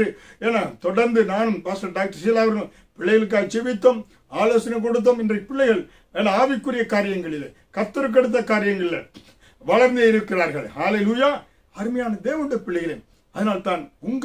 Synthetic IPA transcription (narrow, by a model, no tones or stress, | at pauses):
ɯeːnːat̪ɔɽɐɾnd̪ɯnaːnɯmpaːsɐɖaːk̚ʈːɐɾsɪjɐlaːʋɐɾɣɐɭ | pɪɭːɐjɐɭɯk̬ːaːlt͡ʃɛʋɪt̪ːɐm | aːloːsɐnɐk̬ɔɽɯt̪̬ːɐmɪndrɐɪpːɪɭːɐɪɣɐɭ | eːnːɐaːʋɪkːɯɾɪjɐkaːɾɪjɐŋɡɐɭɪlːḛ | kɐt̪ːɐɾɯk̬ːɛɽɯt̪̬ːɐkaːɾɪjɐŋɡɐɭɪlːɐ | ʋɐɭɐɾnd̪eɪɾɯkːɪraːɾɣɐɭhaːleluːjaː | ɐɾɯmɐjaːnɐd̪eːʋɐnɽɐpɪɭːɐɪɣɪle | ɐðɐnaːlt̪aːnʊŋɡ